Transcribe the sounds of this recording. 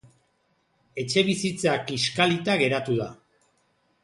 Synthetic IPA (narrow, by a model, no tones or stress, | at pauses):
e̞t͡ʃe̞β̞isit͡sakiskalit̪aɣe̞ɾat̪uða